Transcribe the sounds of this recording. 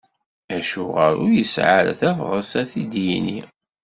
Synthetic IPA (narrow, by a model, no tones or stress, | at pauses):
æʃuʁəɾʊjəsʕaɾæ̰θæfʁəsæθid̪jini